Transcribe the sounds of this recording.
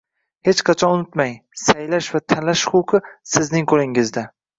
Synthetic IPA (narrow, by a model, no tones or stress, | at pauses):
he̞t͡ʃqʰɑt͡ʃʰɒʊnɪt̪majsajlaʃvat̪ʰanlaʃχʊqʰɨsɪznɪŋkʰolɪŋɪzd̪a